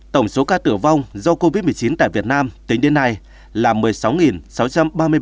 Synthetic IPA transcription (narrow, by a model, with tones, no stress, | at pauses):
t̪ə˧˩wŋ͡mso˨˦kaː˧t̪ɨ˧˩əva˧wŋ͡mzɔ˧ko˧vi˦˥t̚mɨ˨˩əjt͡ɕi˨˦nt̪a̰ː˧˨jvi˨˩ət̚naː˧mt̪i˨˦ŋ̟ɗe˨˦nːa˧j | laː˨˩mɨ˨˩əjsa˨˦wŋi˨˩nsa˨˦wt͡ɕa˧mɓaː˧mɨ˧ə